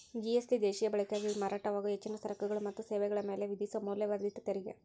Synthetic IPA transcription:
d͡ʒieslid̪eːʃijɐbɐɭikaːɡimaːɾaːʈɐʋaːɡɐet͡ʃːinɐsɐɾɐkɐɡɐɭumɐt̪ːuseːʋɛɡɐɭɐme̞ːleʋid̪isɐmuːljɐʋaːd̪it̪ːɐt̪eɾiɡḛ

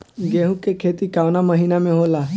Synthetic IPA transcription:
ɡeːɦũkːekʰeːt̪ikaːwnaməɦiːnamẽɦoːlaː

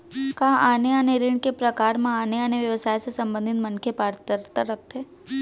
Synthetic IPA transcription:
kaːʔaːneaneɾiɳkepɾɐkaːɾmãaːneaneʋjɐʋsaːjsesɐ̃mbə̃nd̪ʱɪt̪mənkʰepaːɾt̪əɾt̪əɾːɐk̚ʰt̪eː

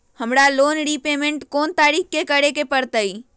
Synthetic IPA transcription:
həmɾalonɽipemeɳʈkont̪aɾik̚ʰkekəɽekepəɾt̪əj

